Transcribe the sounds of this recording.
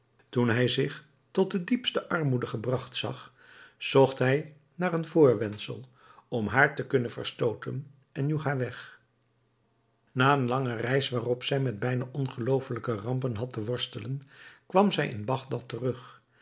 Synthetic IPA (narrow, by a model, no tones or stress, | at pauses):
tunɦɛjzɪχ | tɔt̚dədipstəʔɑɹmudəχəbrɑχtsɑ̰χ | z̥ɔχtɦɛj | naːrənvʊːɹʋɛnsə̰lˠ | ɔmɦaːɹtəkɵnəvə̰ɹstowtə̰n | ɛnjuχɦaːɹʋɛχ | naːənlɑŋərɛjsʋaːrɔpsɛjmɛd̚bɛjnaʔɔnχəlowfələkərɑmpənɦɑtəʋɔɹstələnkʋɑmzɛjʔɪ̰nbɑχdɑtərɵχ